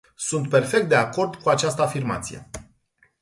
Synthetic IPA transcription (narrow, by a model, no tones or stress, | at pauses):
sunt̪pe̞rfekt̪d̪e̞ako̞rd̪kuat͡ʃast̪əafirma̰t̪sije̞̰